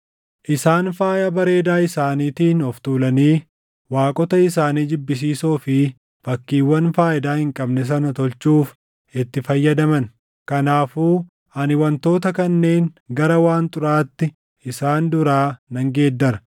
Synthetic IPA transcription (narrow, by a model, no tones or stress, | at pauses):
ʔɪsaːnfaːjɐbɐɾe̞ːd̪aːɪsaːniːt̪iːnɔft̪uːlɐniː | waːkʼɔt̪ɐɪs̬aːniːd͡ʒɪbːɪs̬iːsoːfɪ | fɐkːiːwːɐnfaːʔɪd̪aːhɪŋkʼɐbnɛs̬ɐnɐt̪ɔlt͡ʃuːf | ɪt̪ːɪfɐjːɐd̪ɐmɐn | kɐnaːfuː | ɐnɪwɐnt̪o̞ːt̪ɐkɐnːe̞ːŋɡɐɾɐwaːnt̪ʼʊɾaːt̪ːɪ | ʔɪsaːnd̪ʊɾaːnɐŋɡe̞ːd̪ːɐɾɐ